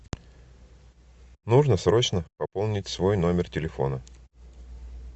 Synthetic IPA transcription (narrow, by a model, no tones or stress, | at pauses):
nuʐnəsɾo̞t͡ɕnəpɐpolˠnʲɪtʲsvo̞jno̞mʲɪrtʲɪlʲɪfo̞̰nə